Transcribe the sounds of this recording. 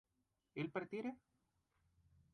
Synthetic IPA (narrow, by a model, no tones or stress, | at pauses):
elpeɾt̪ieɾe